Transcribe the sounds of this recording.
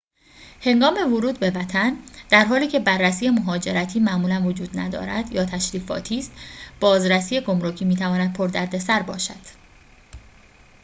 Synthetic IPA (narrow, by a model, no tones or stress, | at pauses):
he̞ŋɡɒːme̞voɾuːd̪̚be̞væt̪ʰænd̪̥æɾɦɒːliːcʰe̞bærːæsiːjemoɦɒːd͡ʒe̞ɾæt̪ʰiːmæʔmuːlænvod͡ʒuːd̪næ̰d̪ɒ̰ːɾæd̪̥jɒːt̪ʰæʃɾiːfɒ̰ːt̪ʰiːst̪b̥ɒːzɾæsiːjeɡo̞mɾocʰiːmiːt̪ʰævɒːnæd̪̥̚pʰoɾd̪æɾd̪e̞sæɾbɒ̰ːʃæ̰d̪̥